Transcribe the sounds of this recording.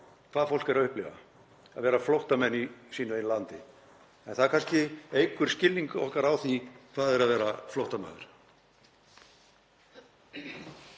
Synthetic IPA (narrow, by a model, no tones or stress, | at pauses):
kʰv̥aːðfowl̥kɛɾaʏhplɪva̰ | aðvɛːɾaflowht̪amɛnːisiːnʏejnlant̪ɪ | ɛnθaðɾkʰanscɪejkʏɾ̥scɪlniŋkɔ̰hkaɾawθikʰv̥aːðɛɾaðvɛːɾaflowht̪ama̰ːðʏ̰ɾ̥